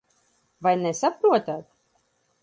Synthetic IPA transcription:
vajnɛsapɾuɔt̪aːt̪

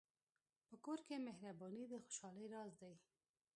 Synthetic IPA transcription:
pəkoɾkemehɾabɑnid̪əxo̥ʃɑləjɾɑzd̪aj

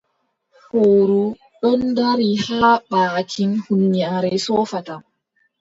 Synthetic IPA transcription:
hoːɾu | ɗɔndaɾihaːɓaːkʰinhunːaɾɛsɔːfatam

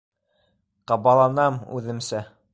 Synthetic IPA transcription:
qɑβɑlˠɑnɑmʉ̰ðɘ̆msæ

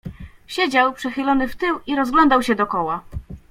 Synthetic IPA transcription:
ɕed͡ʑawpʂɛxɘlɔnɘft̪ɘwiɾɔzɡlɔnd̪awɕɛd̪ɔkɔwa

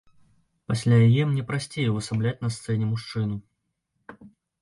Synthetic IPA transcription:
pasʲlʲajajɛmnʲɛpɾasʲt͡sʲejɛvɨsablʲat͡sʲnɐst̪sɛnʲɛmuʂt͡ʂɨnu

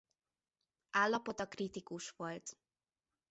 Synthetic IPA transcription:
aːlːɒpo̞t̪ɒkrit̪ikuʃʋo̞lt̪

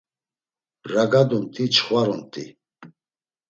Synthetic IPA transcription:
ɾaɡad̪unt̪ʼit͡ʃʰχwaɾɔnt̪ʼḭ

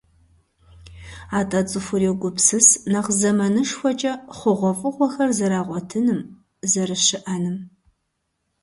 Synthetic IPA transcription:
aːtʼɐt͡sʼɨfʷʊrewɡʷʊpsɨsnɐqzɐmɐnɨʂxʷɔt͡ʃʼɐχʷʊʁʷɔfʼɨqʷɔxɐrzɐɾaːʁʷɔtʰɨnɨm | zɐɾɨʃɪʔɐnɨm

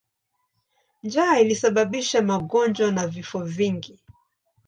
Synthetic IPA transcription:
nd͡ʒailisaɓaɓiʃamaɠɔnd͡ʒwanavifɔviŋɡi

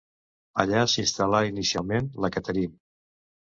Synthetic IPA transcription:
ə̰ʎasinst̪alainisialˠmenləkət̪əɾinə

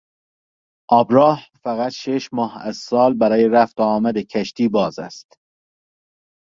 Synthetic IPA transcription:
ʔɒːbɾɒːhfæɣæt̪ʃeʃmɒːhæ̰zsɒːlbæɾɒːjeɾæft̪ːmæd̪ecʰæʃt̪ʰiːbɒːzæ̰st̪

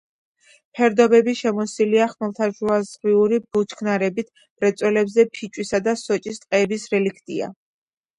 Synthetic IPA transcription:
pʰɛɾd̪ɔbɛbiʃɛmɔsiliaχmɛlˠt̪ʰaʒuazʁiuɾibut͡ʃʰkʰnaɾɛbit̪ʰ | b̥ɾɛt̪sʼwɛlɛbzɛpʰit͡ʃʼwisad̪asɔt͡ʃʼist̪ʼqʼɛːbisɾɛlikʰt̪ʼia̰

